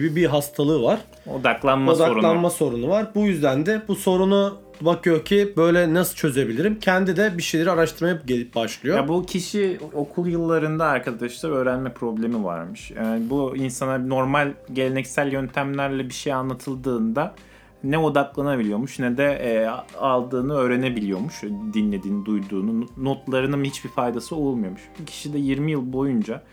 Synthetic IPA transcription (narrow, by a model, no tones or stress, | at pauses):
bibiɦast̪ʰalˠɯːvaɾ̥ | o̞̰d̪aklˠanmaosd̪aoɾulˠanmaso̞ɾunuvaɾbujyzd̪ænd̪ɛbuso̞ɾunu | bakʰɯjocʰibø̞jlʲɛnasɯlˠt͡ʃʰø̞ze̞bilʲiɾimcʰɛnd̪id̪ɛbiʃejlʲeɾiaɾaʃt̪ʰɯɾmajaɟebaʃlˠɯjojabucʰiʃio̞kʰulˠjɯlˠːaɾɯnd̪aːɾkʰad̪aʃlˠaɾø̞ːɾænmɛpʰɾo̞blʲe̞miva̰ɾmɯʃjaːnibuinsanano̞ɾmalʲɟe̞lʲe̞nɛcsælʲjønt̪ʰæmlʲæɾlʲɛbiʃejanlːˠat̪ʰɯlˠd̪ɯːnd̪a | nɛo̞d̪aklˠanabilʲijo̞muʃnɛd̪ɛ | alˠd̪ɯːnɯø̞ːɾe̞ne̞bilʲijo̞muʃd̪inlʲe̞d̪iːnid̪ujd̪uːnuno̞t̪lˠaɾɯnɯnhit͡ʃbifajd̪asɯo̞lˠmujomuʃbucʰi̥ʃid̪ɛjiɾmijɯlˠbo̞jund͡ʒa